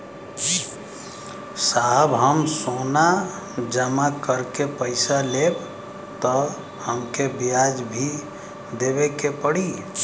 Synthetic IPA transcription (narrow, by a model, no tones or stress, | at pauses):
saɦbɦəmsona | d͡ʒəmakəɾkepəɪsaleb | t̪ɔ | həmkebijad͡ʒbʱi | d̪ebekepəɽi